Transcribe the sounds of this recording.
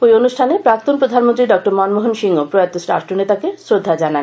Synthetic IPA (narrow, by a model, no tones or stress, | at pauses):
pojonuʃʈʰanepɾakt̪onpɾod̪ʱanmont̪ɾiɖɔk̚ʈoɾmɔnmoɦonʃiŋopɾɔjat̪ːosɾa̰ʃʈɾonet̪akesɾod̪ʱːad͡ʑanan